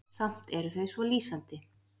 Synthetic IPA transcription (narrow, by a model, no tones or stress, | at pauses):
sam̥t̪ɛɾθœɥsvɔliːsant̪ɪ